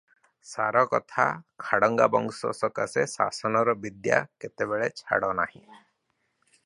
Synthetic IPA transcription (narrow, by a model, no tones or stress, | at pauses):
saɾɔkɔt̪ʰa̰kʰaɽɔŋɡabɔŋɡsɔ̰sɔkasesa̰sɔnɔɾɔbid̪ja̰ket̪ebeɭet͡ʃʰa̰ɽɔnahĩ